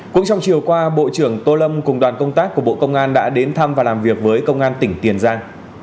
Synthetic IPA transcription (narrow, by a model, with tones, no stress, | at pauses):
kʊ̰˧˥ŋ͡mt͡ɕa˧wŋ͡mt͡ɕi˨˩əwkwaː˧ɓo̰˧˨t͡ɕɨ˧˩əŋt̪o˧lə˧mkʊ˨˩ŋ͡mɗwaː˨˩nkə˧wŋ͡mt̪aː˦˥k̚ːu˧˩əɓo̰˧˨kə˧wŋ͡mʔaː˧nɗa̰ː˧˥ɗe˨˦nt̪ʰa˧mvaː˨˩laː˨˩mvi˨˩ək̚vəː˨˦jkə˧wŋ͡mʔaː˧nt̪ï˧˩ŋ̟t̪i˨˩ənzaː˧ŋ